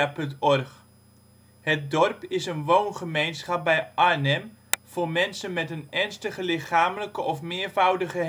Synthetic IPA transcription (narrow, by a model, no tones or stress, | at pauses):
apɵntɔrχ | hət̚dɔrpɪsənʋownχəmejnsχap̚bɛjʔanɛmfoːrmɛnsənmɛtənɛnstəχəlɪχaːmələkəʔɔfmɪːəɹvawdəχə